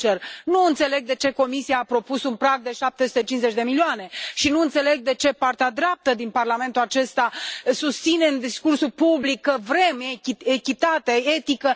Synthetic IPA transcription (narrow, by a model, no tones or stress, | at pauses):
t͡ʃernuɨnt̪se̞le̞ɡ̚d̪e̞t͡ʃe̞ko̞misiaːpɾo̞pusunpɾaɡ̚d̪e̞ʃap̚t̪esu̥t̪e̞t͡ʃinze̞t͡ʃʲd̪e̞milioane̞ʃinuɨnt̪se̞le̞ɡ̚d̪e̞t͡ʃe̞part̪ead̪ɾap̚t̪əd̪inparlame̞nt̪ulat͡ʃe̞st̪asust̪sine̞ɨnd̪iskursupublikːəvɾe̞meekʲit̪at̪ee̞t̪ikə